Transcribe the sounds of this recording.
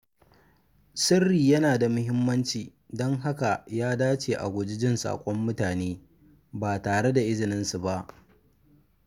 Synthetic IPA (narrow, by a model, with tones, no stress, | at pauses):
sɪ˦rːiː˨jɐ˦naː˨da˨mʊ˦ɦɪ˦mːɐ˦nt͡ʃiː˨ | dɔ˦ŋɦa˦ka˨jaː˦daː˦t͡ʃeː˨ʔa̰˨ɡʷʊ˨d͡ʒɪ˦d͡ʒɪ˦nsa̰ː˨kʷʼɔ˦mːʊ˦taː˨neː˦ | baː˨taː˨ɽe˦da˨ʔɪ˦zɪ˨nɪ˦nsu˨ba˦ʔ